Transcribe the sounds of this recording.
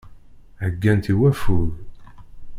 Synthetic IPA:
ʕəɡːænt̪iwæfuð

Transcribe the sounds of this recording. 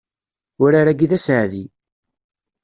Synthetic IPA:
ʊɾaɾæɡiðæsʕðḭ

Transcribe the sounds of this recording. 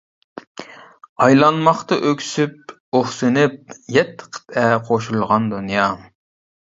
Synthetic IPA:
ɑjlˠɑnmɑχt̪ɑʔøkʲʰsyp̚ | oχsɨnɪp̚jɛt̪ʰːə̥qʰə̥t̪ɛqʰoʃulˠʁɑnd̪unjɑ

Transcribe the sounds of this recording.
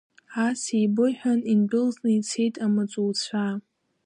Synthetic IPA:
asijbɨħʷᶣaninbʊlznɨit͡sʰe̞jtʼamat͡sʷʼult͡ɕʷʰa

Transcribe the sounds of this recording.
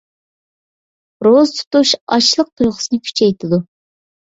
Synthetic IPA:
ɾozt̪ʰu̥t̪uʃɑt͡ʃlˠəq̚t̪ʰujʁʊsɨnɨkʲʰy̥t͡ʃʰɛjt̪ʰɪd̪u

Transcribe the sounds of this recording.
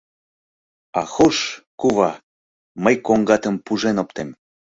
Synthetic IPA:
ɑxoʃkuβɑ | məjkoŋɡɑt̪əmpuʒenopt̪em

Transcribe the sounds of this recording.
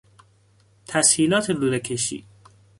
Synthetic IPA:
t̪ʰæshiːlɒːt̪ʰeluːd̪ekʰeʃḭː

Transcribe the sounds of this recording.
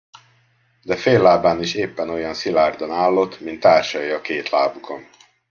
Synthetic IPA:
d̪ɛfeːlːaːbaːniʃeːpːɛno̞jɒnsilaːrd̪onaːlːo̞t̪ːmint̪ːaːrʃɒjiɒkeːt̪laːbukʰo̞n

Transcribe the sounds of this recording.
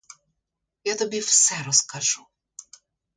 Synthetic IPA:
jat̪ɔbʲiwsɛɾɔskɐʒu

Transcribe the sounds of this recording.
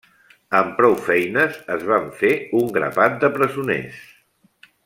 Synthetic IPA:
əmpɾɔwfɛjnəzəzβaɱfeuŋɡɾə̰βat̪̚d̪əpɾəzunḛs

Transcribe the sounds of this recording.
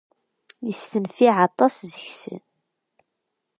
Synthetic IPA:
jəst̪ənfiʕɑt̪ˤːɑszəçsə̰n

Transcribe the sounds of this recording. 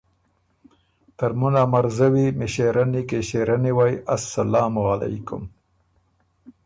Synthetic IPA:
t̪aɾmunamaɾzawimeʃeɾanikeʃeɾaniwajʔasːalɑːmʊɣala̰jkʊ̰m

